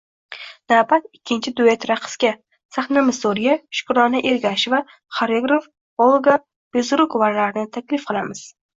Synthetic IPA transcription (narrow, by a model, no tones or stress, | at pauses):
napalɪkʲʰːɪnt͡ʃʰɪd̪uet̪ɾaqʰɨ̥skʲa | saχnamɪsoɾijaʃʊ̥kɾɒnɪʔeɾɡʲaʃɪva | χaɾeɡɾof | olˠɡa | b̥ezɾʊkvaɾlaɾɪnɪt̪ʰakʲlɪfqʰɨlˠamɪz̥